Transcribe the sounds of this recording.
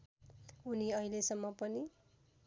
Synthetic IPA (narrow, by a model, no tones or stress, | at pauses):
uniʌilesʌmːʌpʌni